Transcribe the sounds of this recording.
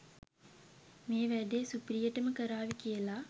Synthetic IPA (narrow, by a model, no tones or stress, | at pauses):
meːʋɛɖ̪eːsupɾijɐʈːɐmɨkɐɾaːʋikijɐlaː